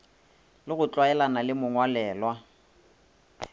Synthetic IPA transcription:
lɪɣʊt͡ɬʼwaɛlanalɪmʊŋwalɛːlwa

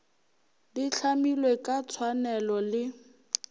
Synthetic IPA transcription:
diɬʰamilwekʼat͡sʰwanɛlɔlɪ

